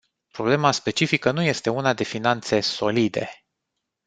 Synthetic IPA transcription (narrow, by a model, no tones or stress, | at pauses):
pɾo̞ble̞maspe̞t͡ʃifikənuje̞st̪e̞unad̪e̞finant̪se̞so̞lid̪e̞̰